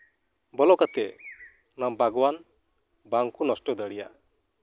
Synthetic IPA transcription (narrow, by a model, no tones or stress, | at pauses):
bɔlɔkat̪ɛ | nabʱaɡɔwan | baŋkunɔsʈɔd̪əɽija̰